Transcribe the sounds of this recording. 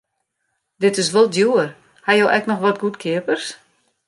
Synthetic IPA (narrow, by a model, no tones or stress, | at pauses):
dɪtɪs̬ʋolˠdjuər | hajowʔɛ̰knɔxʋɔtɡutkʰɪəpərs